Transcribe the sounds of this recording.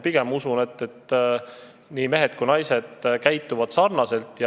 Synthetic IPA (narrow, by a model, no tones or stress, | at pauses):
piɡ̥e̞musune̞t̪ːe̞t̪ː | niːme̞ɦet̪̚kujnɑjse̞d̪̥kæjt̪ːˑuvɑd̪̥sɑrnɑse̞lt̪ːˑj